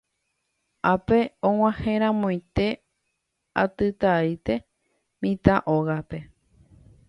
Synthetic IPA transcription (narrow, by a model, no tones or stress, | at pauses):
apeõŋʷãhẽɾ̃ãmõj̃t̪e̞ | at̪ɨt̪ait̪e̞ | mĩt̪aʔoɣape̞